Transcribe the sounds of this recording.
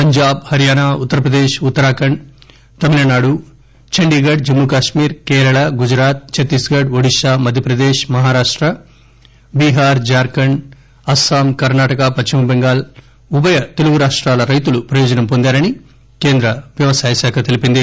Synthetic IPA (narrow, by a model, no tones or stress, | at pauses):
pɐɲd͡ʒaːbhɐɾijaːnaːut̪ːɐɾɐpɾɐd̪eːʂut̪ːɐɾaːkɐɳ | t̪ɐmilɐnaːɽu | t͡ʃʰɐɳɖiːɡɐɖ̚d͡ʒɐmːukaːʂmiːɾkɛːɾɐɭaɡud͡ʒɾaːt̪̚t͡ʃɐt̪ːisɡɐɖʋɐɽiʃaːmɐd̪ʱjɐpɾɐd̪eːʂmɐɦaːɾaːʂʈɾɐ | biːɦaːɾd͡ʒaːɾkɐɳ | ɐsaːmkɐɾnaːʈɐkɐpɐt͡ʃːimbɛŋɡaːl | ubɐjɐt̪eluɡuɾaːʂʈɾaːlɐɾɐjt̪ulupɾɐjoːd͡ʒɐnɐmpond̪aːɾɐni | keːnd̪ɾɐʋjɐʋɐsaːjɐʃaːkʰɐt̪elipind̪i